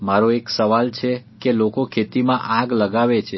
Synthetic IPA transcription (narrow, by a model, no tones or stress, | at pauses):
maɾoeksəʋalt͡ʃʰekelokokʰet̪imãʔãɡləɡaʋet͡ʃʰe